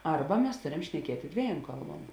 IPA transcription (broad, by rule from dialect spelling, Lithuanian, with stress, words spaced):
ˈɐrbɐ mʲɛs ˈtoːrʲɛm ʃʲnʲɛˈkʲiɛtʲeː ˈdʲʋʲiɛˌjoːm ˈkɐlˠˌbuɔm